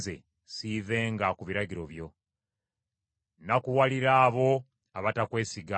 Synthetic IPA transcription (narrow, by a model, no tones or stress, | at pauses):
ze̞̰ | sive̞ːŋɡakuβiɾaɟiɾo̞βjo̞ | nakuwaliɾaːβo̞ | aβatakwe̞ːsiɡa